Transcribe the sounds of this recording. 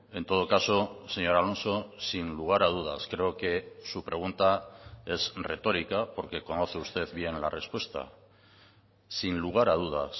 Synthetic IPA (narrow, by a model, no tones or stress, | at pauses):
e̞nt̪o̞ð̞o̞kaso̞se̞ɲo̞ɾalo̞nso̞sinluɣ̞aɾað̞uð̞askɾe̞oke̞supɾe̞ɣ̞unt̪ae̞sre̞t̪o̞ɾikapo̞ɾke̞ko̞no̞θe̞ust̪e̞ðβje̞nlare̞spwe̞st̪a̰ | sinluɣ̞aɾað̞uð̞a̰s